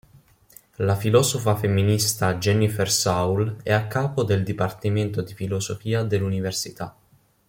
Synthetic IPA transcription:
lafilɔːsofafemːinist̪ad͡ʒɛnifersawlɛakːaːpod̪eld̪ipart̪iment̪od̪ifilosofiːad̪elːuniversit̪a̰

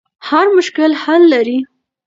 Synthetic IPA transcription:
haɾmʊʃkɪlhalːaɾi

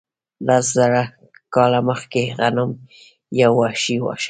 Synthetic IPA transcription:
laszaɾa | kɑlaməxkeɣanʊm | jawːaʃiwɑ̰ʃ

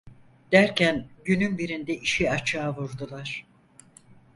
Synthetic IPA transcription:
d̪̥æɾcʰænɟynynbiɾind̪ɛʔiʃiat͡ʃʰaːvuɾd̪ulˠaɾ̥

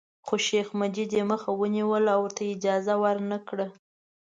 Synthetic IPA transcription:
xoʃexmad͡ʒid̪eməxawəniwəlawəɾt̪ʰaɪd͡ʒɑzawaɾnəkɽə

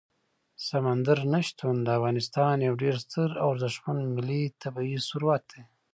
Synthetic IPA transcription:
samand̪aɾnaʃt̪ʰund̪əafɣɑnɪst̪ɑnjawɖeɾst̪əɾawɾd̪əʃmand̪mɪlit̪ʰabaisuɾuwat̪̚d̪e

